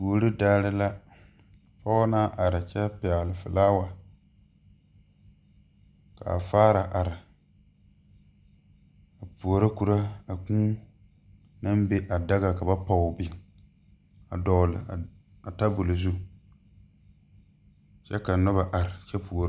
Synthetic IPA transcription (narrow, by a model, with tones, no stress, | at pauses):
pu˨o˨ɾɨ˦daː˦lɪ˦la˦ | fa˦naː˦ʔa˨ɾɪ˨t͡ʃɛ˦pɛ˨lɪ˨fɨ˨laː˦wa˨ | ka̰˨faː˦ɾa˨ʔa˨ɾɪ˨ | a˨pu˨o˨ɾa˦ku˨ɾa˦a˨kũː˦ | na˦mbe˦ʔa˨da˦ɣa˨ka˨ba˦pa˨bi˨ | a̰˨dɔ˨lɪ̰˨ | a˨ta˦bu˨lo˨zu˦ | t͡ʃɛ˦ka˨nɔ˦ba˨ʔa˨ɾɪ˨t͡ʃɛ˦pu˨o˨ɾ